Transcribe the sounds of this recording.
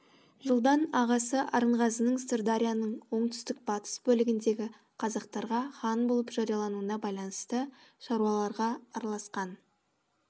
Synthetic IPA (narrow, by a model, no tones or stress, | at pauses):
ʒəlˠd̪ɑnɑʁɑsəʔɑ̰ɾəɴʁɑsənəɴst̪ɪrd̪aɾʲijanəɴwo̞ɴt̪ʏ̥st̪ɪk̚bɑt̪ə̥sbɵlɪɡʲɪnd̪e̞ɡʲɪ | qʰɑzɑqt̪ɑɾʁɑχɑnbo̞lˠəpʒ̥ɑɾijɑlˠɑnuənɑbɑjlˠɑnəst̪əʃɑɾuɑlˠɑɾʁɑːɾɑlˠɑsqɑn